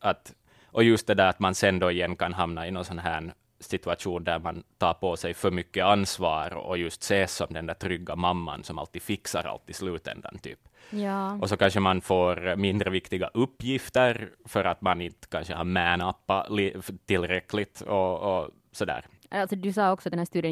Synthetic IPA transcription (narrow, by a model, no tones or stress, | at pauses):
at̪ | ʔɔjɵst̪̚d̪ɛd̪æːɾat̪mansɛnd̪ɔɪjɛnːkanɦamnaɪnɔnsɔnɦæːɳ | sɪt̪ʉaʂuːnd̪æɾmant̪ʰɑːɾpʰɔsɛjfœɾmʏkːəansvɑːɾɔ̰jɵst̪seːsɔmd̪ɛnd̪æːʈ̪ʰɾʏɡːamamːa̰nsɔma̰lt̪ːi̥ːfɪksaɾa̰lt̪ːɪslʉːt̪ɛ̰nd̪a̰nt̪ʰy̰ːpjɑːɔsɔkʰanʂəmanfoːɾmɪnd̪ɾəvɪkt̪ɪɡa̰ʔɵpːjɪft̪əɾfœɾat̪manɪnt̪ə̥kʰanɕəhɑːmæːnapːalit̪ʰɪlːɾɛklɪt̪ɔː | sɔd̪æ̰ːɾ | alt̪sɔd̪ʉsɑːɔksɔt̪d̪ɛnhæːst̪ʉːd̪ɪ